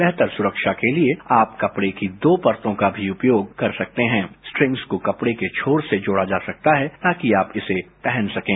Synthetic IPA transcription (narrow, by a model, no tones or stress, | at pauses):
bɛɦt̪əɾsʊɾəkʃakelieaːpkɐpɽekid̪oːpɐɾt̪õkabʱiʊpjoːɡ̚kɐɾsɐk̚t̪eɦɛ̃ːsʈɾɪ̃ŋskokɐpɽeket͡ʃʰoːɽsed͡ʒoːɽad͡ʒaːsɐk̚t̪aɦɛnaːkiaːpɪsepɛɦɛ̃nsɐkẽː